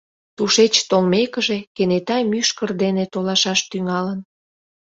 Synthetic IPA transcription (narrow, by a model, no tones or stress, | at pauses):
t̪uʃet͡ɕt̪olmekəʒekenet̪ɑjmyʃkərd̪enet̪olɑʃɑʃt̪yŋɑlən